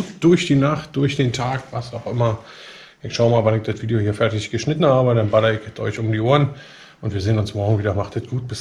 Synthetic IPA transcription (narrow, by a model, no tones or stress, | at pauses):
td̥ʊɐçd̥iːnaχt̚d̥ʊɐçd̥eːntʰaːkvasaʊxʔɪmɐ | ʔɪʃaʊmaːlvanɪk̚d̥atv̥iːdiohiːɐfɛɐtɪçɡ̥əʃnɪtn̩haːbədanbalɐɪkɪt͡sʔɔ̰ʏçʊmdiːʔoːɐn | ʔʊntviːzeːənʊnsmɔɐɡŋ̩viːdɐmaχtɛtɡ̥uːt̚b̥ɪs